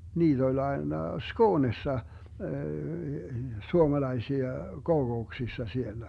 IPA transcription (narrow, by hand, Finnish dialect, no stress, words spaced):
niːt olʲ ɑenɑ skoːnesːɑ suomɑlɑisiɑ kokouksisːɑ sielːæ